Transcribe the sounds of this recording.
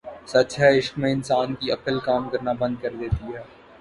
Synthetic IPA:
sɐt͡ʃɦɛɪʃkmẽɪnsaːnkiɐpɪlkaːmkɐɾnabɐ̃nd̪̚kɐɾd̪eːt̪iɦɛː

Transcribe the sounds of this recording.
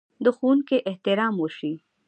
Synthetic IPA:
d̪əxunkeʔɪht̪ɪɾɑmwəʃi

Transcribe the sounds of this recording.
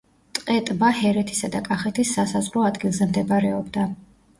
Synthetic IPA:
t̪ʼqʼɛt̪ʼvahɛɾɛt̪ʰi̥sad̪akʼaχɛt̪ʰisːasazʁɾɔad̪ɡilˠzɛmd̪ɛbɾɛɔbd̪a

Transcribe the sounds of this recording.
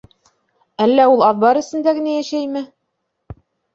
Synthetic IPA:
ælːæulˠɑðbɑɾɘ̆sɘ̆nd̪æɡɘ̆næjæʃæjmɘ

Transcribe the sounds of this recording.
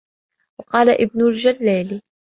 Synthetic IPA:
wɑqɑːlaʔɪb̚nʊld͡ʒalːaːl

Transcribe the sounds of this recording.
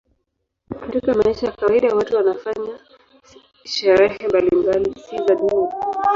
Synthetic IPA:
katikamaiʃajakawaiɗawatuwanafaɲa | ʃɛɾɛhɛmbalimbalisizaɗuna

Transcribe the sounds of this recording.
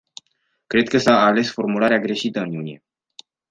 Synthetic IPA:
kɾe̞d̪̚kəsaːle̞sfo̞rmulaɾeaɡɾe̞ʃit̪əɨnjunije̞̰

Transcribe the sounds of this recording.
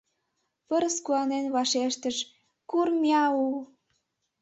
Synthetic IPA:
pəɾəskuɑnenβɑʃeʃt̪əʃ | kurmjɑu

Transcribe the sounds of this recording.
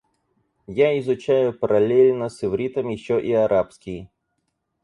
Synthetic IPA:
jaɪzʊt͡ɕæjʊpəɾʔɐlʲelʲnəsɪvɾʲit̪əmjɪɕːoʔiɐɾʔapskʲɪ

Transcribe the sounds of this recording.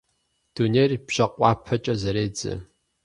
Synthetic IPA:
d̥uneːrb̥ɕɐqʷʼɑːpʰɐt͡ʃʼɐzɐɾeːd͡zɨ̰

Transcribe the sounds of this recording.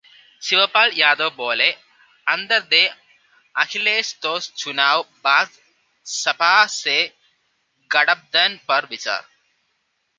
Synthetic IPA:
siʋɐpaːljaːd̪oːboːle | ɐnd̪ɐɾd̪eː | ɐkʰileːst̪oːst͡ʃunaːwbaːk | sɐpaːse | ɡɐɽɐp̚d̪ɐnpɐɾʋit͡ʃa̰ːɾ

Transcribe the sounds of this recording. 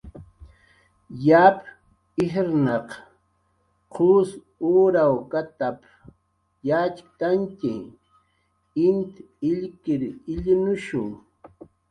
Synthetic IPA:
jap | ɪɦɾnɑq | qʰʊs | uːɾawkat̪ap | jat͡ʃt̪antɪ̰ | ɪnt̪ | ɪʎkɪɾɪʎɪnʊʃʊŋ

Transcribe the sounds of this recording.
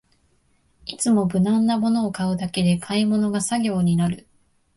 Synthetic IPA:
it͡sɨmo̞bɯ̟nãnːamo̞no̞ːkaɯ̟d̪ake̞d̪e̞kʰaimo̞no̞ɡasaɡʲo̞ːɲ̟inaɾɯ̟

